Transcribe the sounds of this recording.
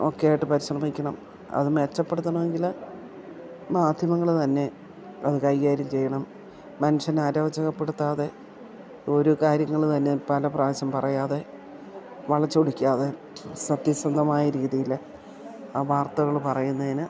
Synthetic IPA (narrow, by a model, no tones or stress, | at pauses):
o̞̰kːejaːjiʈːɨpɐɾiɕrɐmikʲːɐɳɐm | ɐ̰ðumet͡ɕːɐpːe̞ɽut̪ːɐɳɐʋeŋɡil | maːd̪ʱjɐmɐŋːɐɭt̪ɐnːe̞ | ɐ̰ðɨkɐjkaːɾjɐmt͡ɕe̞jːɐɳɐmː | ɐnuʂɐnaːɾɐːʋɐt͡ɕːɐɣɐpːe̞ɽut̪ːaːðe̞ | o̞ɾukaːɾjɐŋːɐɭt̪ɐnːe̞pɐlɐpraːʋɐɕɐmpɐrɐjaːðe̞ | ʋɐɭɐt͡ɕːoɽikʲːaːðe̞ | sɐt̪ːjɐsrɐnd̪ʱɐmaːjɐɾiːðijilːɐ | aːʋaːrt̪ɐɣɐɭpɐrɐjunːɐðinɨ